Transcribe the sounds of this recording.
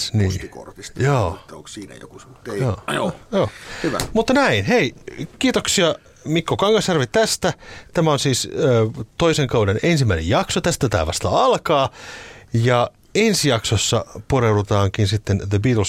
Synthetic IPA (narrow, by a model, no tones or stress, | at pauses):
niːiko̰rkisjoːo̰ŋkiːnæ̰jo̰kusjoːojoːhyʋæ̰mut̪ːɑnæinheikiːt̪oksiɑ | mikːokɑŋɡɑsjɑrʋitt̪æst̪æt̪æmæonsiːsøːt̪oiseŋkɑudenensimːæinḛjɑksot̪æst̪æt̪æ̰ːʋɑ̰st̪ɑ̰ɑlkɑː | jɑ | ensijɑksosːɑporewdut̪ɑːŋkinsit̪ːenðəbiːt̪ls